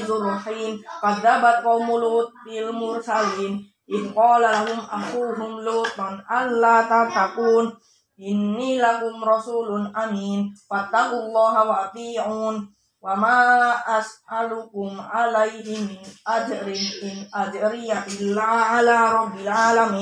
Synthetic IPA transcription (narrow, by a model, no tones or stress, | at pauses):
zʊrɑħiːnqɑðːabat̪̚qɑwmʊlʊt̪̚bɪlmʊɾsaliːn | ʔɪðqɑːlalahʊmʔaxuːɦʊmlʊːt̪ˤanʔanːaːt̪at̪ːaquːn | ʔɪnːiːlakʊmɾˤɑsuːlʊnʔamiːnfat̪ːaqʊlˤːɑːɦawaʔat̪ˤiːʕuːn | wamaːʔasʔalʊkʊmʕalajɦɪmɪnʔad͡ʒɾɪʔɪnʔad͡ʒɾɪjaʔɪlːaːʕalaːɾˤɑbːɪlʕaːlamiː